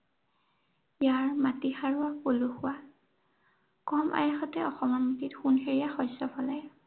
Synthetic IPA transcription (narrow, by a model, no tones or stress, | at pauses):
jaɹmatixaɹʊapoluxʊwa | kɔmʔa̰jaxɔtɛɔxɔmamutitxunɦeɹiaxɔjsɔpʰɔlaj